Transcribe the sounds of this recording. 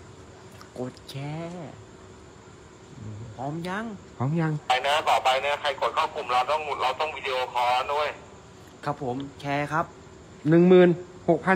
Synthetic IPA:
ko˨˩t̪̚t͡ɕʰɛː˧˥ | ʔɯː˨˩pʰɔː˨˦mja˧˥ŋpʰɔː˨˦mja˧ŋ˧jna˦˥baː˨˩ba˧jnaː˦˥kʰa˧jko˨˩t̪̚kʰaː˥˩wku˨˩mɾa˧wt̪ɔ˥˩ŋmu˨˩t̪̚ɾa˧wt̪ɔ˥˩ŋwiː˧di˧ʔoː˧kʰɔː˨˦˧du˥˩əj | kʰa˦˥pʰːo˩˦mt͡ɕʰɛː˧kʰa˦˥p̚ | nɯ˨˩ŋmɯː˨˩n | ho˨˩k̚pʰa˧˥

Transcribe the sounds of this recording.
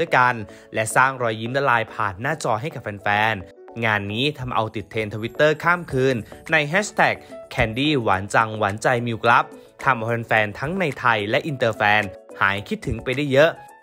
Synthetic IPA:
jka˧n | lɛ˦˥saː˥˩ŋɾɔː˧jːiː˦˥md̪a˧˥laː˧jpʰa̰ː˨˩nːaː˥˩t͡ɕɔː˧ɦa˥˩jka˨˩p̚fʰɛ˧nfɛː˧n | ŋaː˧nːiː˦˥t̪ʰa˧mʔa̰˧wt̪i˨˩t̪ʰːeː˧nt̪ʰa˧wi˦˥t̪ːɤː˥˩kʰaː˥˩mkʰɯː˧nːa˧jɦɛː˦˥st̪ʰɛː˨˩k̚kʰːɛː˧ndiː˥˩wa̰ː˩˦nt͡ɕa˧ŋwaː˩˦nt͡ɕa˧jmiː˧wkla˦˥p̚ | t̪ʰa˧mʔa˧wfɛ˧nfɛː˧nt̪ʰa˦˥ŋna˧jt̪ʰa˧jlɛ˦˥ʔi˧nt̪ɤː˧fɛː˧nha̰ː˩˦jkʰi˦˥t̪ʰːɯ˩˦ŋpa˧jda˥˩jːɤ˦˥ʔ

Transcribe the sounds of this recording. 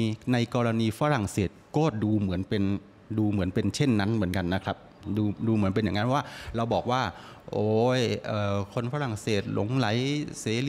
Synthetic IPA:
na˧jkɔː˧ɾa˧niː˧fa˦˥ɾa˨˩ŋseː˨˩t̪̚koː˥˩t̪̚duː˧mɯ˩˦ənpe˧n | duː˧mɯ˩˦ənpe˧nt͡ɕʰe˥˩nːa˦˥nmɯ˩˦ənka˧nːa˦˥kʰɾa˦˥p̚ | duː˧duː˧mɯ˨˩˦ənpe˧nja˨˩ŋa˦˥pʰwaː˥˩ɾa˧wbɔː˨˩k̚waː˥˩ʔoː˨˦jʔɤː˨˩kʰo˧nfaː˦˥ɾa˨˩ŋseː˨˩t̪̚lo˨˩˦ŋla˩˦jseː˨˦li˧

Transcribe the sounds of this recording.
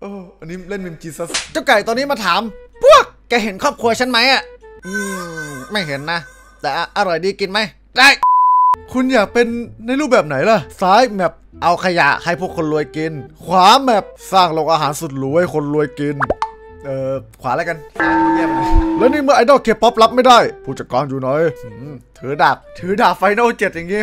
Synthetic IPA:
ʔɤː˧ʔa˧niː˦˥le˥˩nmi˧mt͡ɕi˧sa˧˥˩st͡ɕa˧˩wka˨˩t̪ɔː˧nːiː˦˥maː˧t̪ʰaː˨˦mpʰu˥˩ək̚ːɛː˧˩ɦe˩˦nkʰɔː˥˩p̚kʰu˧ɐ˧t͡ɕʰa˦˥nma˦˥jʔa˨˧˩ʔɯː˧˩ma˥˩jɦe˩˦nːa˦˥ | t̪ɛː˨˩ʔa˧ʔa˧ɾɔ˨˩jdiː˧ki˧nma˦˥˩j | da˥˩jkʰu˧njaː˨˩k̚pe˧nːa˧jluː˥˩bɛː˨˩p̚na˩˦jla˧˩saː˦˥jbɛː˨˩p̚ʔa˧wkʰa˧ja̰˨˩ʔha˥˩jpʰu˥˩əkʰːo˧nlu˧əjki˧nkʰwaː˨˩˦bɛː˨˩p̚saː˥˩ŋloː˧ŋʔaː˧ɦaː˩˦nsu˨˩t̪̚luː˧˦jkʰo˧nlu˧əjki˧n | ʔɤː˨˧kʰwaː˨˦laː˦˥jka˧nsaː˨˦uː˧ji˥˩əp̚na˧˥˩lɛː˦˥niː˧˥˩mɯ˥˩˨ʔaː˧dɔː˥˩kʰeː˦˥pʰːɔ˦˥p̚la˦˥p̚ma˥˩jdaː˥˩jpʰuː˥˩t̚t͡ɕa˨˩kɔː˧njuː˨˩nɔː˨˦jt̪ʰɯː˨˩˦daː˨˩k̚t̪ʰɯː˩˦daː˨˩faː˧jna˥˩t͡ɕe˨˩t̪̚ja˨˩ŋːiː˦˥

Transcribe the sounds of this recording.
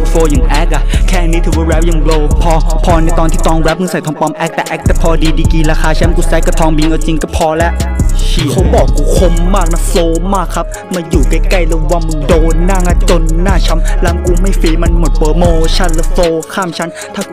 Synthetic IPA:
foː˧ja˨˩ŋʔɛː˦˥k̚ʔa˧˩kʰɛː˥˩˨niː˦˥t̪ʰuː˧wa˧wɾɛː˦˥p̚ja˨˩ŋbloː˧pʰɔː˧pʰɔː˧na˧˩jt̪ɔː˧nt̪ʰiː˥˩t̪ʰɔː˧ŋwɛ˦˥p̚mɯ˧˥sa˨˩jt̪ʰɔː˧ŋpɔ˧mʔɛ˦˥k̚t̪ɛː˨˩ʔɛ˦˥k̚t̪ʰɛ˧˥˩pʰɔː˧diː˧diː˧kiː˧laː˧xʰaː˧t͡ɕʰa˦˥mkuː˧˩sɛː˧˦˥ka˧˩t̪ʰɔː˧ŋbi˧ŋʔa˧˩t͡ɕi˧ŋkɔ˥˩pʰɔː˧lɛ˦˥ʔsiː˧˨˩kʰa˦˥wbɔː˨˩kːuː˧kʰo˧mːaː˥˩k̚ma˧foː˧maː˥˩kʰːa˦˥p̚ | ma˧juː˨˩ka˧˩ka˥˩jlo˧wa˧˩mː˧ndoː˧nːaː˥˩ŋa˧˩t͡ɕo˧nːaː˥˩t͡ɕʰa˦˥mla˦˥mku˧ma˥˩jfiː˧ma˧nmo˨˩t̪̚pɤː˨˩moː˧t͡ɕʰa˦˥˩nla˧˩foː˧kʰaː˥˩˨mt͡ɕʰa˦˥n | t̪ʰaː˥˩

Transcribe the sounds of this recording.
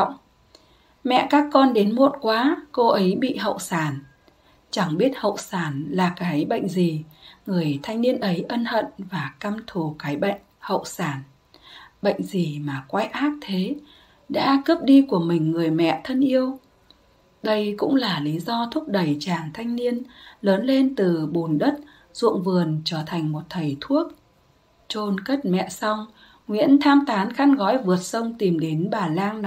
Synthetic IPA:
ŋ͡m | mɛ̰˧˨kaː˦˥kːɔ˧nɗe˨˦nmo˨˦˥t̚kwaː˨˦ko˧ʔə˨˦jɓḭ˧˨ɦə̰˧˨wsaː˧˩n | t͡ɕa˧˩ŋɓi˦˥ət̚hə̰˧˨wsaː˧˩nlaː˨˩kaː˨˦jɓə̰˧˨ŋ̟zi˨˩ŋɨ˨˩əjt̪ʰa˧jŋ̟ni˧ənʔə˨˦jʔə˧nhə̰˧˨nvaː˨˩kaː˧mt̪ʰu˨˩kaː˨˦jɓə̰˧˨jŋ̟hə̰˧˨wsaː˧˩n | ɓə̰˧˨jŋ̟zi˨˩maː˨˩kwa˧˦jʔaː˦˥k̚t̪ʰe˨˦ | ɗa̰ː˧˥kə˦˥p̚ɗi˧ku˧˩əmï˨˩ŋ̟ːɨ˨˩əjmɛ̰˧˨t̪ʰə˧nʔi˧əw | ɗə˧jkʊ̰˧˥ŋ͡mlaː˨˩li˨˦zɔ˧t̪ʰʊ˦˥k͡p̚ɗə˨˩jt͡ɕaː˧˩ŋt̪ʰa˧jŋ̟ni˧ənləː˨˦nle˧nt̪ɨ˨˩ɓo˨˩nɗə˦˥t̚ | z̥ṵ˧˨əŋvɨ˨˩ənt͡ɕəː˧˩t̪ʰa˨˩jŋ̟mo˨˩t̚t̪ʰə˨˩jt̪ʰu˦˥ək̚ | t͡ɕo˧nkə˦˥t̚mɛ̰˧˨sa˧wŋ͡m | ŋwḭ˧˥ənt̪ʰaː˧mt̪aː˨˦nxa˧nɣɔ̰˧˥jvɨ˨˩ət̚sə˧wŋ͡mt̪i˨˩mɗe˨˦nɓaː˨˩laː˧ŋn˦

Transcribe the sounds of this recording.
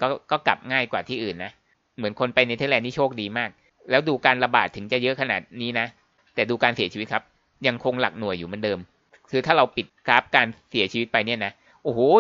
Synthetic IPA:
kɔː˥˩kɔː˥˩kla˨˩p̚ŋaː˥˩jkwaː˨˩t̪ʰiː˥˩ʔɯː˨˩nːa˦˥ʔ | mɯ˩˦nkʰo˧npa˧jna˧jt̪ʰa˦˥lɛː˧nːiː˦˥˩t͡ɕʰoː˥˩k̚diː˧maː˥˩k̚ | lɛː˦˥wduː˧kaː˧nɾa˧baː˨˩t̪ʰːɯ˩˦ŋt͡ɕa˨˩jɤ˦˥ʔkʰa˧na̰ː˨˩t̪̚niː˦˥na˦˥ʔ | t̪ɛː˨˩duː˧kaː˧nsi˨˩˦t͡ɕiː˧˦˥kʰa˦˥p̚ | ja˧ŋkʰo˧ŋla˨˩k̚nu˨˩əjːuː˨˩ma˧ndɤː˧m | kʰɯː˧t̪ʰaː˥˩ɾa˧wpi˨˩t̪̚kɾa˦˥p̚kaː˧nsi˨˩˦t͡ɕʰiː˧˦˥t̪̚pa˧jni˥˩ɐna˦˥ʔ | ʔoː˨˧˩hː

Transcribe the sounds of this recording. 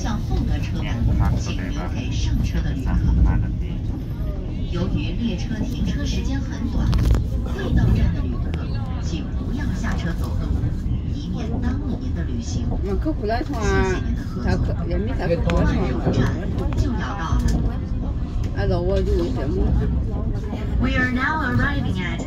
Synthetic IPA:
ɕjɑ˥˧ŋfʊ˥˩ŋd̪ə˩ʈ͡ʂʰɤ˥a˥˩n˨t͡ɕʰkʰe˨˩ɪʂɤ˥˩ŋʈ͡ʂʰɤ˥d̪ə˨ly˨˧kʰɤ˧˩˧ | jo˧˥ʊki˧˩˥ljɛ˥˩ʈ͡ʂʰɤ˥t̪ʰi˨˩˥ʈ͡ʂʰɤ˥ʂɻ̩˧˥t͡ɕjɛ˥nxə˧˥nt̪wa̰˨˩˦nxe˥˩ɪt̪ɑ˥ŋʈ͡ʂa˥˩nd̪ə˨˩ly˧˥kʰɤ̰˥˩ | t͡ɕʰi˧˥˩pu˧˥jɑ˥˩ŋɕja˥˩ʈ͡ʂʰɤ˥t͡so˨˩ʊkɤ˥˩˧i˧˥mjɛ˥˩nt̪ɑ˥ŋlu˨˩mi˧˥nd̪ə˧ly˧˥ɕi˧˥ŋa˥˧˩kʰɤ˥˩kʰu˨˩la˥nʈ͡ʂʰʊ˥˩ŋa˧˨˩ə˧sʰa˧kʰjɛ˧˥nmi˥sʰa˧˥˨kʰla˥˩˧ʈ͡ʂa˥˩nʰ˧˥ʊ˥˩t͡ɕi˥˩ŋjɑ˧˥ʊt̪ɑ˥˩ʊa˧˥a˥˩˨a̰˧lo˧˥ʊwɔ˧t͡ɕo˥˩i˨˩ɕɛ˧˥mu˥˩˨ | wi˧ə˞˧na˥ʊəɹa˥ɪvɪ̃˧ŋə˧t

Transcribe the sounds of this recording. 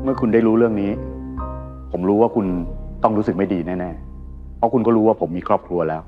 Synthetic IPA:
mɯ˥˩ɐkʰu˧nda˥˩jɾuː˦˥ɾɯ˥˩əŋniː˦˥ | pʰo˩˦mɾuː˦˥waː˥˩kʰu˧nt̪ɔ˥˩ŋɾuː˦˥sɯ˨˩k̚ma˥˩jdiː˧nɛː˥˩nɛː˥˩ | pʰɔ˦˥kʰu˧nkɔː˥˩ɾuː˦˥waː˥˩pʰo˩˦mːiː˧kʰɾɔː˥˩p̚kʰɾu˧ɐlɛː˦˥w

